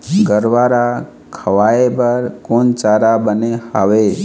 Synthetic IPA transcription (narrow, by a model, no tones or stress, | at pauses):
ɡəɾʋaːɾa | kʰəʋaːebəɾkoːnt͡ʃaːɾabənehaːʋe